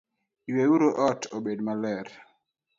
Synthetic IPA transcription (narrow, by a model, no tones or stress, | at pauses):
iwewuɾoʔɔtoɓedmalɛɾ